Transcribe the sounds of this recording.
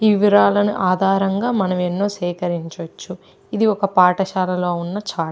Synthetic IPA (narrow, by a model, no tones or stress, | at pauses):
iʋiɾaːlɐnuʔaːd̪ʱaːɾɐŋɡaːmɐnɐmenːo̞ːʃɛːkɐɾiɲt͡ʃot͡ʃːu | id̪iɔkɐpaːʈɐʃaːlɐlo̞ːunːɐt͡ʃaː